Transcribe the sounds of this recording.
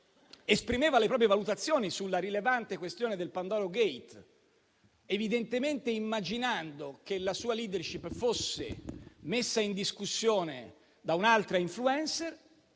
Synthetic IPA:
espɾimeːvalepɾɔːp̬ɾjevalut̪at̪sːjoːnisulːaɾilevant̪ekwest̪joːned̪elpand̪ɔːɾoɡejt̪ | evid̪ent̪ement̪eimːad͡ʒinand̪okelasuːaliːd̪erʃipːfosːḛmesːaind̪iskusːjoːnḛ | d̪aunalt̪ɾaiɱfluɛnser

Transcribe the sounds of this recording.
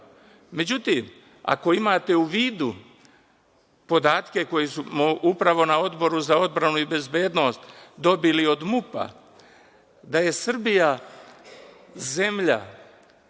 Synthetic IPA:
me̞d͡ʑut̪iːm | a̰ko̞imaːt̪e̞uʋiːd̪u | po̞d̪aːt̪ke̞ko̞jisumoʔupɾaʋo̞nao̞d̪bo̞ɾuzao̞d̪bɾanuibe̞zbe̞ːd̪no̞ːst̪d̪o̞bilio̞d̪mupa̰ | d̪aje̞sr̩bija | ze̞mʎa̰

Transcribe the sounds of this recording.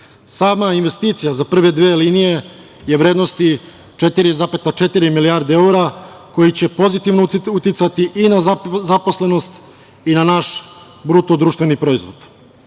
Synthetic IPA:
saːmainʋe̞st̪iːt̪sijazapr̩ʋe̞d̪ʋeːliːnije̞ | je̞ʋɾed̪no̞st̪i | t͡ʃe̞t̪iɾizapet̪at͡ʃe̞t̪iɾimiliaɾd̪ee̞uɾa | ko̞jit͡ɕe̞po̞zit̪iʋnout̪jit̪sat̪iʔinazapo̞sle̞no̞st̪ | inanaʃ | bɾut̪od̪ɾuːʃt̪ʋe̞nipɾo̞izʋo̞̰d̪̥

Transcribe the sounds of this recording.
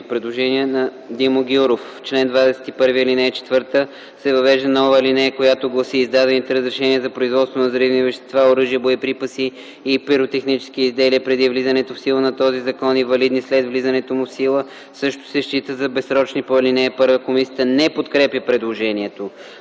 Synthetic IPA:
pɾɛd̪lˠoʒɛniənɐ | d̪imoɡʲuɾof | t͡ʃlɛnd̪vad̪ɛsɛ̥t̪ipɤɾviilinɛɛt͡ʃɛ̥t̪vɤɾt̪ə | sɛvɐvɛʒd̪ənɔvəlinɛɛkojat̪oɡlˠɐsiːzd̪ad̪ɛnit̪ɛɾəzɾɛʃɛniəzɐpɾoizvɔt̪st̪vonɐzɐɾivnivɛʃt̪ɛ̥st̪vaoɾɤʒijəbojɛpɾipəsiː | pɛɾot̪ɛxnit͡ʃɛ̥sk̟iːzd̪ɛliəpɾɛd̪ivlizənɛt̪ofsilˠənɐt̪ɔzizɐkɔnivɐlid̪nislɛd̪vlizɐnɛt̪omufsilˠə | sɤʃt̪o̥sɛʃt͡ʃit̪əzɐbɛsɾɔt͡ʃnipoilinɛːpɤɾvəkomisiəənɛpot̪kɾɛpʲjəpɾɛd̪lˠoʒɛniɛt̪o

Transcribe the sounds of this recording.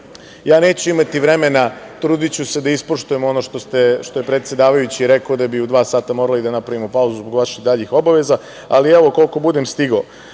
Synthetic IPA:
jaːne̞ːt͡ɕuimat̪iʋɾe̞me̞nat̪ɾuːd̪it͡ɕuse̞d̪aispoʃt̪ujemo̞no̞ʃt̪ost̪eʃt̪o̞je̞pɾe̞t̪sje̞d̪aːʋajut͡ɕiːɾekaod̪abiud̪ʋaːsaːt̪amo̞ɾalid̪anapɾaʋimo̞pauzuzboɡʋaʃiɣd̪aːʎixo̞baʋe̞za | a̰liɛʋo̞ko̞lko̞bud̪emst̪iɡo

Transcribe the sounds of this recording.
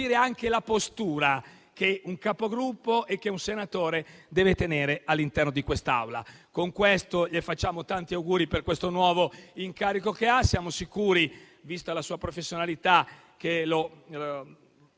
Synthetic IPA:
iːɾeaŋkelapost̪uːɾa | keuŋkapoɡɾupːoʔek̟ːeunsenat̪oːɾed̪ɛːvet̪eneːɾealːint̪ɛrnod̪ikwest̪a̰wla̰koŋkwest̪oʎefat͡ʃːaːmot̪ant̪iawɡuːɾiperkwest̪onwɔːvoiŋkaːɾikokeasːjaːmosikuːɾi | vist̪alasuːapɾofesːjonalit̪a | k̟elo

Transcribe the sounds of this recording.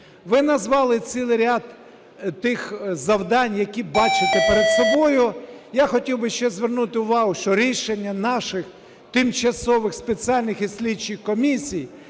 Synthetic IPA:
ʋɪnɐzʋɑlˠɪt͡s̪ʲilˠɪɾʲad̪ | t̪ɪxzɐwd̪ɑnʲjɐkʲibɑt͡ʃɪt̪ɪpeɾed̪sɔbɔjʊjaxɔtʲiwbɪʃt͡ʃɛzʋernut̪ɪʊʋɑɦʊʃt͡ʃɔɾʲiʃenʲːɐnɑʃɪx | t̪ɪmt͡ʃɐsɔʋɪxspe̞t͡sʲiɑlʲnɪxisʲlʲidt͡ʃɪxkɔmʲisʲij

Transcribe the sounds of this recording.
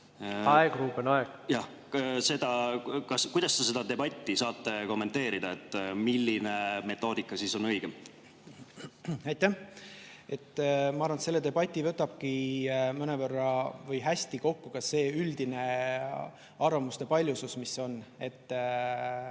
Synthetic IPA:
ɑeɡ̥ruːpːenɑeɡ̥jɑ | se̞d̪̥ɑkɑskujd̪̥ɑst̪ese̞d̪̥ɑd̪e̞bɑt̪ʲˑːisɑːt̪ːeko̞mːe̞nt̪e̞ːɾid̪̥ɑet̪ːˑmilːine̞me̞t̪ːˑo̞ːd̪̥ikːˑɑsiso̞nɤjɡ̥e | ɑjt̪ːˑæh | e̞t̪ːˑmɑɑɾvɑnt̪se̞lːe̞t̪e̞bɑt̪ʲːˑivɤt̪ːɑb̥̚kimɤnevərːɑvɤjɦæsʲt̪iko̞kːukɑsːe̞ːyld̪̥ine̞ | ɑrvɑmust̪e̞pɑlʲjususmiso̞ne̞t̪ː

